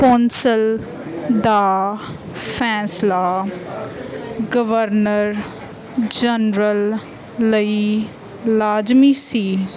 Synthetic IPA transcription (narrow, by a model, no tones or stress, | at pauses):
kɔ̃ːnsəl | d̪aː | pʰɛ̃ːslaː | ɡəʋəɾnəɾ | d͡ʒənɾəlː | əi | laːd͡ʒmiːsiː